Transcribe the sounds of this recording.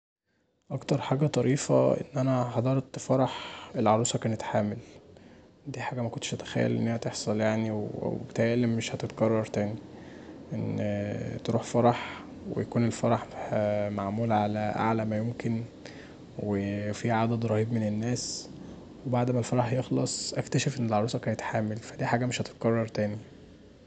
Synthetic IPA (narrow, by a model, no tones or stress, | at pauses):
ʔɑkt̪ɑɾˤħaːɡæt̪ˤɑɾiːfæ̰ʔḛnːʔænæħɑd̪ˤɑɾˤt̪fɑɾˤɑħelʕɑɾˤuːsˤɑkæːnet̪ħaːmel | d̪iːħaːɡæmækont̪ːʃʔæt̪æ̥xæ̰jːæ̰lʔḛnːæhæt̪eħsˤɑljaʕniwbet̪ælːemːeʃhæt̪et̪ɡɑrˤːɑɾˤt̪æːniʔen | t̪eɾuːħfɑɾˤɑħ | wḛjækuːnelfɑɾˤɑħmaʕmuːlʕalæʔa̰ʕlæmæjomken | wefiʕad̪æd̪ɾˤɑhiːbmenenːæːs | webaʕd̪mælfɑɾˤɑħjexlɑsˤʔækt̪æʃefʔenːelʕɑɾˤuːsˤɑkæːnet̪ħaːmelfæd̪iːħaːɡæmeʃhæt̪e̥t̪̚ɡɑrˤːɑɾˤt̪æːni